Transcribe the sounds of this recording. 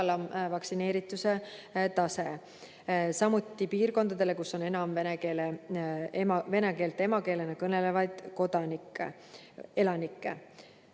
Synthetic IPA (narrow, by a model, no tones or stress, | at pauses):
lɑmvɑksine̞ːɾit̪ːˑuse̞t̪ɑse̞ | sɑmut̪ːˑipiːrko̞nd̪ɑd̪̥e̞le̞kusːo̞ne̞nɑmvenekeːle | mve̞neke̞ːlt̪e̞mɑke̞ːle̞nɑkɤne̞le̞vɑjd̪̥ko̞d̪̥ɑnikːe | e̞lɑnikːˑe